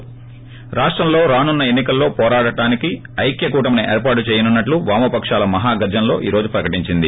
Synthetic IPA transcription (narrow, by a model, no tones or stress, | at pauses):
ɾaːʂʈɾɐmlo̞ːɾaːnunːɐe̞nːikɐlːo̞ːpɔːɾaːɽɐʈaːniki | ɐjkjɐkuːʈɐmɐniʔḛːɾpaːʈut͡ʃɛːjɐnunːɐʈluʋaːmɐpɐkʂaːlɐmɐɦaːɡɐɾd͡ʒɐnlo̞̰ːʔiːɾo̞ːd͡ʒupɾɐkɐʈiɲt͡ʃind̪i